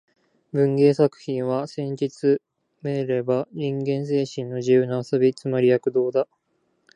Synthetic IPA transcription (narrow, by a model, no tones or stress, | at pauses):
bɯ̟̃ŋɡe̞ːsakɯ̟̥çĩɰ̃βasẽ̞ɲd͡ʑit͡sɨ | meɾe̞baɲĩŋɡẽ̞ɰ̃s̬e̞ːɕĩnːo̞ʑijɯːnoasobʲit͡sɨmaɾʲijakɯ̟d̪o̞ːd̪a